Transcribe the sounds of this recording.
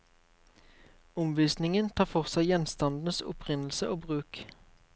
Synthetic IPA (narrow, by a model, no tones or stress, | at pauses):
ʊmʋiːsnɪŋənt̪ʰɑːfɔʁsæɪjɛnst̪ɑnd̪n̩əsʊ̰pʰʁɪnl̩səʔoːbʁʉːk